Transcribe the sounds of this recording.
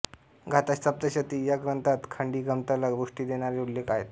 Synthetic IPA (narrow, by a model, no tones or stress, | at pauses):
ɡʱat̪astəp̚t̪əɕət̪iːjaɡɾənt̪at̪kʰəɳɖiːɡəmt̪əlaɡbuʂʈiːd̪eɽ̃aɾeulːekaɦet̪